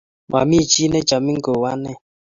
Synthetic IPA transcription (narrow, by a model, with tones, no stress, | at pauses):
ma̰˨mi˦˨t͡ʃi˦nɛ˦d͡ʒa˨mi˦ŋ̩˦ɡo˨wa˦nɛ˦˨